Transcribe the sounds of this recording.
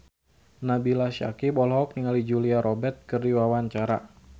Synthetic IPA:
nabilaʃa̰kibɔlɦɔk̚niŋalid͡ʒuliaɾʔɔbɛrt̪̚kɨrdiwawaɲt͡ʃaɾa̰

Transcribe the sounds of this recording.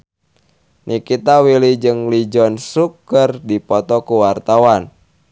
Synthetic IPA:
nʔikit̪awilid͡ʒɨŋlid͡ʒɔnsukərdipɔt̪ɔkuwart̪awan

